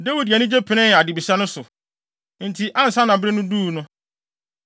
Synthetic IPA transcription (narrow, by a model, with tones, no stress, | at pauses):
de˦wi˨di˨a˨nɪ̃˦d͡ʑe˦pʰɪ˨nɪ̃˦˨a˨dɪ˨bi˨sa˦nʊ̃˦sʊ˨ | n̩˨tʰi˨ʔã˦n˨sã˦nã˨bɾe˦nʊ̃˦duː˦˨nʊ̃˦